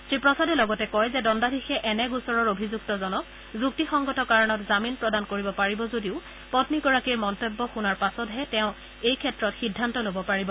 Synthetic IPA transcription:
sɹipɹɔsadɛlɔɡɔtɛkɔjzɛdɔndadʱixɛʔɛnɛɡusɔɹɔɹobʱizuktɔzɔnɔk | zuk̚tixɔŋɡɔtɔkaɹɔnɔtzaminpɹɔdankoɹibɔpaɹibɔzodiʊ | pɔtniɡɔɹakiɹmɔntebːɔxunaɹpasɔtɦɛtɛʊ̃ | ejkʰɛtɹɔtxidʱːantɔlobɔpaɹibɔ

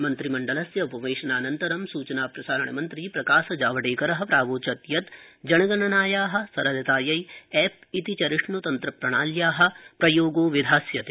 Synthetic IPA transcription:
mɐnt̪ɾimɐɳɖɐlɐsjɐupɐʋeːʃɐnaːnɐnt̪ɐɾɐmsuːt͡ʃɐnaːpɾɐsaːɾɐɳɐ̰mɐnt̪ɾiːpɾɐkaːsɐd͡ʒaːʋɐɽeːkɐɾɐɦɐ̆pɾaːʋoːt͡ʃɐt̪jɐt̪d͡ʒɐɳɐɡɐnɐnaːjaːɦɐ̆sɐɾɐd̪ɐt̪aːjɐjɛːp̚it̪it͡ʃɐɾiʂnut̪ɐnt̪ɾɐpɾɐɳaːljaːɦɐ̆pɾɐjoːɡoːʋid̪ʱaːsjɐt̪e

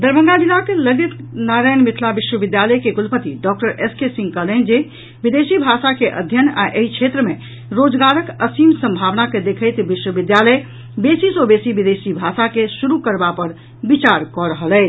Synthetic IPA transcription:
d̪əɾbəŋɡad̪ilakləɡit̪naɾajnmit̪ʰlabiʃwəbid̪jaləjkeɡulpət̪iɖɔk̚ʈəɾeskesĩŋɡkəlend͡ʒe | bid̪esibʱasakeʔə̰d̪ʱjəna̰ʔeɦit͡ʃʰet̪ɾəme | ɾod͡ʒɡaɾəkəsimsə̃mbʱaʋnaked̪ekʰəɪt̪biʃwəbid̪jalə | besisobesibid̪esibʱasakesuɾukəɾbapəɾ | bit͡ʃaɾkɔɾəɦəlɛɪt͡ʃ

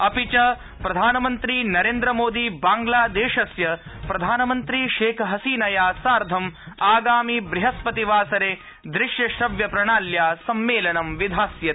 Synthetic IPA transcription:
ɐpit͡ʃɐ | pɾɐd̪ʱaːnɐmɐnt̪ɾiːnɐɾeːnd̪ɾɐmoːd̪iːbaːŋɡlaːd̪eːʃɐsjɐpɾɐd̪ʱaːnɐmɐnt̪ɾiːʃeːkʰɦɐsiːnɐjaːsaːɾd̪ʱɐmaːɡaːmibɾiɦɐspɐt̪iʋaːsɐɾeː | d̪ɾɪʃjɐʃɾɐʋjɐpɾɐɳaːljaːsɐmːeːlɐnɐmʋid̪ʱaːsjɐ

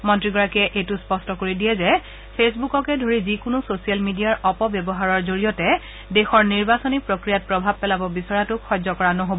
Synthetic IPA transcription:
mɔntɹiɡɔɹakɛʔejtʊspɔstɔkoɹidijɛzɛ | pʰesbukɔkɛdʱoɹizikʊnʊsosialmidijaɹɔpɔbjɔbɔɦaɹɔɹzoɹijɔtɛ | dɛxɔɹniɹbasonipɹokɹijat̚pɹɔbʱab̚pːɛlabɔbisɔɹatʊkʰːɔzɔkɔɹanɔɦobɔ

